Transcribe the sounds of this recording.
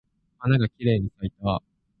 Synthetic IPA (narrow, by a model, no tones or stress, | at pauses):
hanaɡakʲiɾe̞ːɲ̟isait̪a